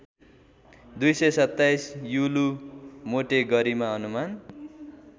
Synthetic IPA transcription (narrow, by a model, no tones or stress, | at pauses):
d̪ujsʌjsʌt̪ːajsjulumoʈeɡʌɾimaʌnuman